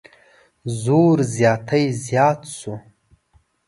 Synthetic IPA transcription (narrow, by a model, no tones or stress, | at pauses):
zoːɾzjɑːt̪ʰəjzjɑːt̪su